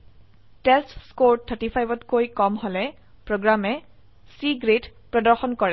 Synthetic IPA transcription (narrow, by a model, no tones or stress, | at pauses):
tɛstskoɹtʰətipʰajbɔtkojkɔmɦolɛ | pɹoɡɹamɛ | siɡɹet | pɹɔdɔɹxɔnkɔɹɛ